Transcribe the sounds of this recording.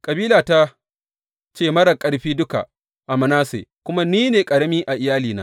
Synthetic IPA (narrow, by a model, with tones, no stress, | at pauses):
kʼɐ˨biː˦laː˨ta˦ | t͡ʃeː˦˨mɐ˦ɽɐ˨kʼɐ˦ɽɸiː˦dʊ˦ka̰˨ | ʔa˨mɐ˨naː˦sḛː˨kʷʊ˦ma˦niː˦neː˨kʼɐ˨ɽɐ˦miː˦ʔa˨ʔɪ˨jaː˦liː˨naː˦